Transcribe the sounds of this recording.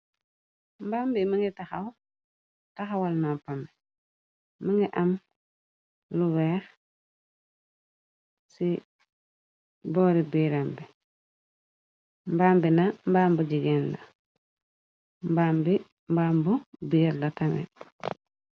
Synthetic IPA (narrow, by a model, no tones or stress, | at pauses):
mbambimiŋɡitaxaw | taxawalnampambɛː | aŋɡiʔam | luwɛːɾ | si | bɔːɾibiːɾambi | mbaːmbinambaːmbuɟiɡɛnda̰ | mbambi | mbaːmbubiɾdatamɛ̰